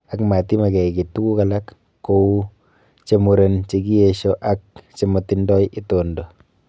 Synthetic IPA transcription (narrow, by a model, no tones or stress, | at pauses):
akmaːtimakɛiketukukalakː | ou | t͡ʃemuɾent͡ʃekieʃoʔak̚t͡ʃemɔtindɔjʔɪtondo